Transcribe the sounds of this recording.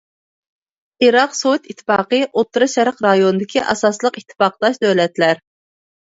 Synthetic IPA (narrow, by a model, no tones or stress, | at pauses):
iɾɑqsowt̪it̪ʰːɪ̥pɑːqəʔot̪ːuɾɨʃɛɾqɾɑjonɨd̪ɪkʲʰiʔɑ̰sɑslˠəqit̪ʰːɪ̥pɑqlˠɑʃd̪øwlɛt̪læɾ